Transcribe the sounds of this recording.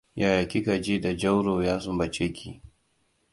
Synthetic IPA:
ja˨ja˨kʲi˦ka˨d͡ʒi˦da˨d͡ʒɐ˦wɽoː˨jaː˦sʊ˦bɐ˨t͡ʃe˦kʲʰi˦˨

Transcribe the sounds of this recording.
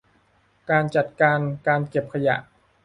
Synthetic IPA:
kaː˧nt͡ɕa˨˩t̪̚kaː˧nkaː˧nke˨˩p̚kʰa˧ja̰˨˩ʔ

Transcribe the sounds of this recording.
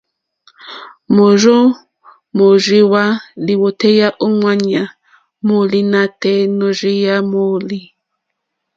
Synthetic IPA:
mo˨ʒo˦ | mo˨ʒi˦wa˦li˨wo˨tɛ˦ja˦ʔo˦ŋwa˦ɲa˨ | mo˨li˦na˦tɛ˦no˨ʒi˦ja˦mo˦˨li˦

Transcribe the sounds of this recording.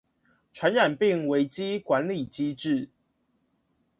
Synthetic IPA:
ʈ͡ʂʰwa˨˦nɻa˨˩npi˥˨ŋwe˨˦ɪt͡ɕi˦kwa˨˦nli˨˩t͡ɕi˦ʈ͡ʂɻ̩˥˨

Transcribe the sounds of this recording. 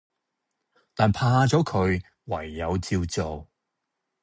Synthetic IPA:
t̪aː˨npʰaː˧ha˧t͡sɔː˨˥kʰɵ˨˧ɥ | wɐ˨˩jːɐ˨˧wt͡siː˧wt͡so˨w

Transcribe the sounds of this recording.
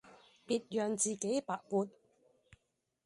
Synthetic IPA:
piː˨˧t̚jœː˨ŋt͡siː˨ke˨˥jpaː˨˩k̚puː˨˧n̚

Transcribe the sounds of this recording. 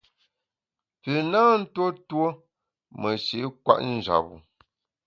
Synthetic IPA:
pɨ˨naː˦n̩˦to˦two˦ | mə˨ʃi˨˦kwa̰˦ʔn̩˦˨d͡ʒa̰˨pṵ˨

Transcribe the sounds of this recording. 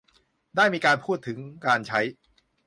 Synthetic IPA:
daː˥˩jmiː˧kaː˧npʰuː˥˩t̪ʰːɯ˩˦ŋkaː˧nt͡ɕʰa˦˥j

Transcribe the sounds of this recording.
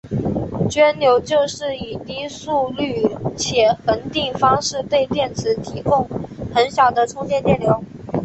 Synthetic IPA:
t͡ɕɥɛ˥nljo˧˥ʊt͡ɕjo˥˧ʊʂɻ̩˥˩i˨˩t̪i˥su˥˧ly˥˩t͡ɕʰjɛ˨˩xə˧˥nt̪i˥˩ŋfɑ˥ŋʂɻ̩˥˧t̪we˥˧ɪt̪jɛ˥˩nt͡sʰɹ̩˧˥t̪ʰi˧˥kʊ˥˩ŋxə˧˥nɕjɑ˨˩ʊd̪ə˦ʈ͡ʂʰʊ˥ŋt̪jɛ˥˧nt̪jɛ˥˩nljo˧˥ʊ

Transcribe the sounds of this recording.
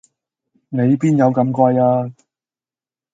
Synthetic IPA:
ne˨˧jpiː˥njɐ˨˧wkɐ˨˧mkʷaː˧jaː˧

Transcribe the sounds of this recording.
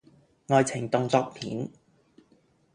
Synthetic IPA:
ŋɔː˨jt͡sʰɪ˨˩ŋt̪ʊ˨˧ŋt͡sɔː˧k̚pʰiː˨˥n

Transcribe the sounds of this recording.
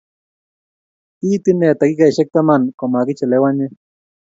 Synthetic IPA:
i˦t̪ine˨t̪a˨kika˨i˨ʃe˦k̚t̪a˦ma˨nkoma˨kit͡ʃe˨lewaɲe

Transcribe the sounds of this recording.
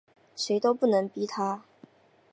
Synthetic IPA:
ʂe˧˥ɪt̪o˥ʊpu˥˩nɤ˧˥ŋpi˥t̪ʰa˥

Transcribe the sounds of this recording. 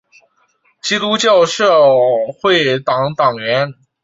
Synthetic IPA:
t͡ɕi˥t̪u˥t͡ɕjɑ˥˧ʊʂɤ˥˧xwe˥˩ɪt̪ɑ˨˩˥ŋt̪ɑ˨˩ŋɥɛ˧˥n

